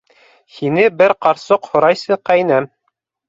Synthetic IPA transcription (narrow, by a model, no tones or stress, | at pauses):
hinɘbɘɾqɑɾsoqhŏɾɑjsɤqæjnæm